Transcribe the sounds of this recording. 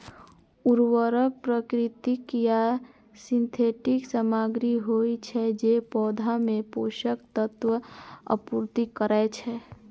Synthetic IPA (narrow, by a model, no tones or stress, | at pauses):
uɾwəɾək̚pɾəkɾɪt̪ikja | sɪ̃nt̪ʰeʈɪksəmaɡɾiɦoit͡ʃʰɛd͡ʒepɔːd̪ʱamẽpoʃəkt̪ət̪ʋəə̰puɾt̪ikəɾaet͡ʃʰɛ